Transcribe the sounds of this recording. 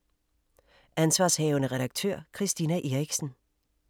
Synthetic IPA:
ʔænsʋɑ̈ːshɛːʊənəʁɛd̥ɑɡ̥̚t͡sʰø̰ɐ̰kʰʁisd̥iːnæʔe̝ːʁiɡ̥sn̩

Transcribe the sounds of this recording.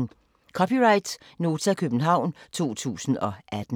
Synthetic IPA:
kʰɒ̽piʁɑ̈ɪd̥ | no̝ːt͡sʰækʰøb̥n̩ɦɑ̈ʊ̰nt͡sʰo̝̰ːt͡sʰṵːsn̩ɒ̽ʔæd̥n̩

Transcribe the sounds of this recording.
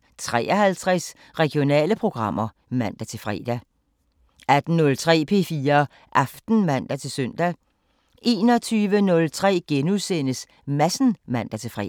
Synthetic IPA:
t͡sʰʁɛ̰ːɒhælt͡sʰʁɛs | ʁɛɡ̥jo̝nɛ̰ːləpʰʁo̝ɡ̥ʁɑ̈m̰ɐ | mæn̰d̥æt͡sʰe̝lfʁɛ̰ːd̥æ | æd̥n̩nɔ̽lt͡sʰʁɛ̰ːpʰe̝̰ːfiːɐ | ʔɑ̈fd̥n̩mæn̰d̥æt͡sʰe̝lsøn̰d̥æ | ʔe̝̰ːnɒ̽t͡sʰyːʋənɔ̽lt͡sʰʁɛ̰ːɡ̥enuðˠsenəs | mæsn̩mæn̰d̥æt͡sʰe̝lfʁɛ̰

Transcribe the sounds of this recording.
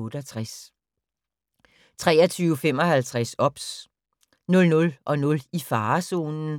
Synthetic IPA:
ɔ̽ːɾ̥əɒt͡sʰʁas | t͡sʰʁɛːɐt͡sʰyːʊfem̰ɒ̽hælt͡sʰʁasɒ̽b̥s | nɔ̽lnɔ̽lʔɒ̽nɔ̽lifɑ̈ːso̝̰ːnn̩

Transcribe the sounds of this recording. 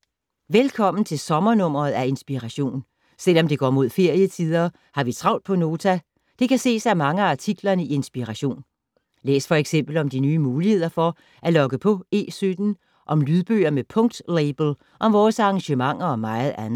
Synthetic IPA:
ʋelkʰɒ̽m̰n̩t͡sʰe̝lsɒ̽mɐnɔ̽m̰ɐð̞̩ˠæe̝nsb̥iʁaɕo̝̰ːn | sel̰ɒ̽md̥e̝ɡ̥ɒ̰ːmo̝ð̞̰ˠfe̝ɐ̰jət͡sʰið̞ˠɐ | hɑ̈ʋit͡sʰʁɑ̈ʊ̰n̥d̥̚pʰɒ̽no̝ːt͡sʰæ | d̥e̝kʰæse̝̰ːsæmɑ̈ŋəɑ̈t͡sʰiɡ̥lɐnəie̝nsb̥iʁɑɕo̝̰ːn | lḛːsfɒ̽eɡ̥sem̰b̥l̩ɒ̽md̥inyːmuːlihe̝ð̞̰ˠɐfɒ̽ | ʔælɒ̽ɡ̥əpʰɒ̽e̝̰ːsød̥n̩ | ʔɒ̽mlyð̞ˠb̥ø̰ːɐmepʰɔ̽ŋd̥leɪb̥l̩ | ʔɒ̽mʋɒːsɑ̈ɑŋɕəmɑ̈ŋ̰ɐ̽ːmɑ̈ɪð̞̩ˠænð̩ˠ

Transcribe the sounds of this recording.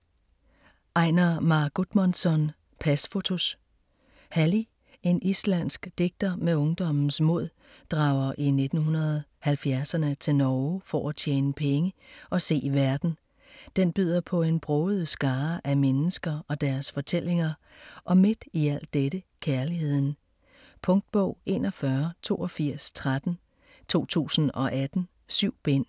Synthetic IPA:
ʔɑ̈ɪ̰nɐmɑ̈ɡ̥ud̥mænsɒn | pʰæsfo̝t͡sʰo̝s | hæli | e̝nislæn̰sɡ̥d̥e̝ɡ̥̚d̥ɐmeɔ̽ŋd̥ɒ̽mn̩smo̝̰ð̞̰ˠ | d̥ʁɑ̈ʊɐʔine̝d̥n̩hunɐðˠhælfjæɐsɐnət͡sʰe̝lnɒʊfɒæt͡sʰjeːnəpʰeŋəʔɒ̽se̝̰ːʋæɐd̥n̩ | d̥enb̥y̰ð̞̰ˠɐpʰɒ̽e̝nb̥ʁɔːð̞̩ˠsɡ̥ɑ̈ːʔæmenəsɡ̥ɐɒ̽d̥æɐsfɒ̽t͡sʰel̰eŋɐ | ʔɒ̽me̝d̥iæl̰d̥eɾ̥əkʰæɐlihe̝ð̰ˠn̩ | pʰɔ̽ŋd̥̚b̥ɔ̽ʊ̰e̝̰ːnʔɒfɶɐt͡sʰo̝̰ːʔɒ̽fiɐ̰st͡sʰʁad̥n̩ | t͡sʰo̝̰ːt͡sʰṵːsn̩ɒ̽ʔæd̥n̩ | syʊ̰b̥en̰

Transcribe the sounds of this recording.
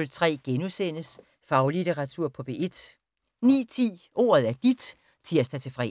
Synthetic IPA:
lt͡sʰʁɛ̰ːɡ̥enusen̰əs | fɑ̈ʊlit͡sʰeʁɑ̈t͡sʰuɐ̰pʰɒ̽b̥e̝ʔe̝d̥ | nḭːt͡sʰḭːo̝̰ːɐð̞̩ˠæɐd̥id̥ | t͡sʰiɐ̰sd̥ɑ̈t͡sʰe̝fʁɛ̰

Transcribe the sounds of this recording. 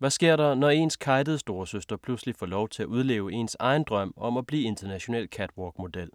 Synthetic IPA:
ʋæsɡ̥e̝ɐ̰ɾɑ̈nɒe̝nskʰɑ̈ɪdəð̞̩ˠəsd̥o̝ːɐsøsd̥ɐpʰluslifɒ̰ːlɒʊt͡sʰe̝æuð̞ˠle̝̰ːʊe̝̰ːnsɑ̈ɪn̩d̥ʁɶm̰ɒ̽mæb̥lḭːe̝nd̥ɐnæɕo̝nɛ̰ːlkʰæd̥wɒːɡ̥mo̝d̥el̰

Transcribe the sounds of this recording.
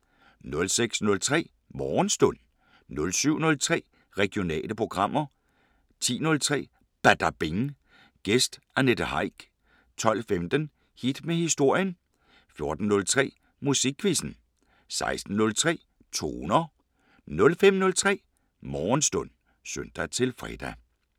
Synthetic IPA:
nɔ̽lseɡ̥snɔ̽lt͡sʰʁɛ̰ː | mɒːnsd̥ɔ̽n̰ | nɔ̽lsyʊ̰nɔ̽lt͡sʰʁɛ̰ː | ʁɛɡ̥jo̝nɛ̰ːləpʰʁo̝ɡ̥ʁɑ̈m̰ɐ | t͡sʰḭːnɔ̽lt͡sʰʁɛ̰ː | b̥æd̥ɑb̥eŋ | ɡ̥esd̥ | æned̥əhɑ̈ɪ̰ɡ̥ | t͡sʰɒ̽l̰femd̥ən | hid̥mehisd̥o̝ɐ̰jən | fjo̝ɐd̥n̩ːɔ̽lt͡sʰʁɛ̰ː | musiɡ̥ʰːʋisn̩ | sɑ̈ɪsd̥n̩nɔ̽lt͡sʰʁɛ̰ː | t͡sʰo̝̰ːnɐ | nɔ̽lfem̰nɔ̽lt͡sʰʁɛ̰ː | mɒːnsd̥ɔ̽n̰ | sønd̥æt͡sʰe̝lfʁɛ̰d̥æ

